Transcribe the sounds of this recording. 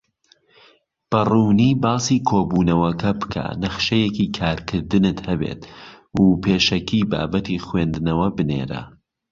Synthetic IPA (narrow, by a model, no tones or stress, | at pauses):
b̥ɐruːniːbɑːsiːkʰoːbuːnɐwɐkʰɐbɨkʰa̰nɐχʃɐjekiːkʰaːɾkʰɨɾd̪ɨnɨt̪hɐbḛːt̪ | uːpʰeːʃɐkʰiːba̰ːbɐt̪ʰiχweːnd̪nɐwɐbɨnḛːɾɐ̰